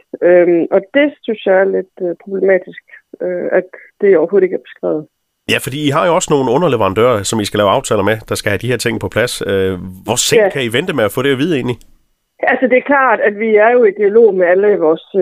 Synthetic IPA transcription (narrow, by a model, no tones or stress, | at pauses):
ømʔɒ̽d̥e̝synsjɑ̈ɪæɐled̥pʰʁo̝b̥lemɛ̰ːd̥isɡ̥øæd̥ːe̝ɒʊɐho̝ːð̩ˠeɡæɐb̥e̝̥sɡ̥ʁɛ̰ʊð̩ˠ | jæfɒd̥ḭːiɦɑ̈jo̝ɒ̽sno̝ːn̩ɔ̽nɐleʋɐʁɑ̈nd̥ø̰ːɐsɒ̽misɡ̥ælɛːʊɑ̈ʊt͡sʰɛ̰ːlɐmed̥ɑ̈sɡ̥æhæd̥iheɐt͡sʰe̝ŋ̰əpʰɒ̽pʰlæsøʋɒseŋkʰæiʋend̥əmeæfɔ̰ːɾ̥e̝ʋið̞ˠe̝̰ːnli | ʔælsəd̥e̝æɐkʰlɑ̰̈ːd̥æd̥ʋiæɐjo̝id̥iælo̝̰ːmeæləʋɒs